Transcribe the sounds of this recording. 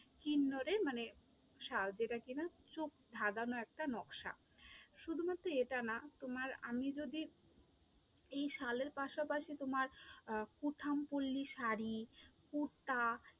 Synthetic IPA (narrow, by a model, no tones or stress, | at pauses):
kinːoɾemane | ʃald͡ʑeʈakinat͡ɕok̚d̪ʱad̪anoɛk̚ʈanɔkʃa̰ | ʃud̪ʱumat̪ːɾoeʈanat̪omaɾa̰mid͡ʑod̪i | ejʃaleɾpaʃapaʃit̪omaɾkuʈʰampolːiʃaɾikuɾt̪a